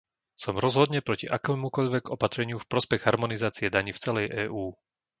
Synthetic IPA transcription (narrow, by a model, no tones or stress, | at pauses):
sɔmɾɔzɦɔd̪ɲɛpɾɔciʔakɛːmukɔʎʋɛɡɔpat̪ɾɛɲɪufpɾɔspɛɣɦaɾmɔnizaːt͡siɛd̪aɲift͡sɛlɛjʔɛːʔuː